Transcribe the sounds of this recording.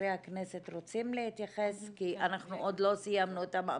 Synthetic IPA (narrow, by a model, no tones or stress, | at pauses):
eaknese̞t̪ʁo̞t͡simlehit̪jaχeskianaχnuʔo̞d̪lo̞sijamnuet̪ama̰